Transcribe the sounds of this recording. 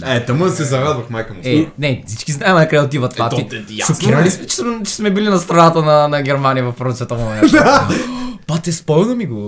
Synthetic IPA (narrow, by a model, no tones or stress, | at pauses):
ɛt̪ɐməsɛzɐɾad̪vɐxmajkɐmoɛnɛsit͡ʃkiznajɛmakɾɛlt̪ivɐt̪lˠat̪ijasokiɾɐlismɛt͡ʃɛ̥smɛt͡ʃɛ̥smɛbilinɐst̪ɾɐnat̪ənɐnɐɡʲɛɾmanijɐvɐfːɾonsɛt̪ɐmonɛd̪a | pat̪ɛspɔlnɐmiɡo